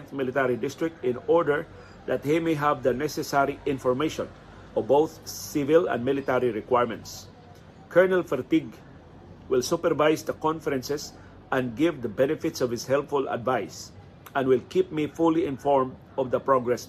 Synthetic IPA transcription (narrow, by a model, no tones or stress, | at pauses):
nt̪mɪlɪt̪ɛɾidɪst̪ɹɪk̚t̪ɪ̃nɔɹdəɹ | d̪at̪̚himeɦavd̪ənɛsɛsaɾiɪ̃nfɔɹmeʃɔ̃n | ɔbowθsɪvɪlã̰nmɪlɪt̪ɛɾiɹɪkwajɹmɛ̰̃nt̪s | kʰɛɹnɛlfɛɾt̪iɡ | wɪlsupɛɾvajsd̪əkɔ̃nfɛɾɛ̃nsɛs | ʔɛ̃nɡɪvd̪əbɛnɛfɪt̪sɔvhɪshɛlpfʊla̰d̪vaɪs | ãnwɪlkip̚mifuliɪ̃nfɔɹmd | ɔvd̪əpɹɔɡɹɛs